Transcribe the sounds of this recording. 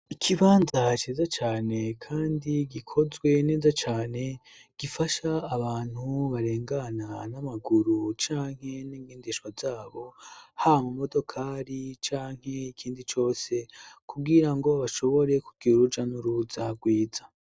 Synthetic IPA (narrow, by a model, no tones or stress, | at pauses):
ikʰiβaːnzat͡ʃeːzat͡ʃaːne̞kʰaːndiɡikʰo̞zɡwe̞ne̞ːzat͡ʃaːne̞ | ɡ̥ifaʃaːβaːn̥huβaɾe̞ːŋɡananamaɡuɾut͡ʃaːŋ̥he̞niːŋɡiːndeʃwazaːβo̞haβamumo̞do̞kʰaːɾit͡ʃaːŋ̥he̞ikʰiːndit͡ʃo̞ːse̞kʰubɡiɾaŋɡo̞βaʃo̞βo̞ɾe̞kuɡɡ̥iuɾud͡ʒanuɾuzaɡwiːza